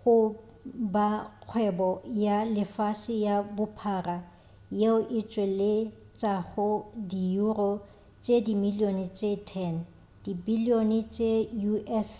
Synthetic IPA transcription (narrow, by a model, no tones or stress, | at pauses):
χʊ | baq͡χʰwɛbɔjalɪfaʃɪjabʊpʰaːra | jeʊʔɪt͡ʃʼwelɪ | t͡ʃʼaɣʊdijurɔ | t͡ʃʼedimilionɪt͡ʃʼetʰɛn | d̥ibilionɪt͡ʃʼejuʔɛs